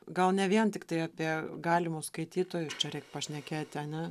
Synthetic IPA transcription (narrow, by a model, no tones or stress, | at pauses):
ɡɐlˠnʲɛʋʲiɛnt̪ʲɪkt̪ɐɪɑːpʲiɛɡɑːlʲɪmuːskɐɪt̪ʲiːt̪oːjʊst͡ʃʲɛɾʲɛɪkpɐʃʲnʲɛkʲeːt̪ʲɪɐnʲɛ